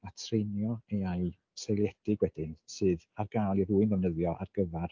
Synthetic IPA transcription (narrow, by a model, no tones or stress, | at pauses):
atʰrejnjɔejaɨ | sejlɛd̥ɪɡwɛdɪnsɨːðarɡaːlˠiruːɨnɔvnəðjɔʔa̰rɡ̥əvar